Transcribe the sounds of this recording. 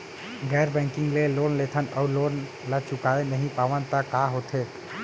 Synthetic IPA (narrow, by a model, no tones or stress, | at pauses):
ɡɛjɾbɛ̃ŋkiŋɡlelonlet̪ʰənəlon | lət͡ʃukaenəɦĩpaʋənt̪əkaɦot̪ʰet̪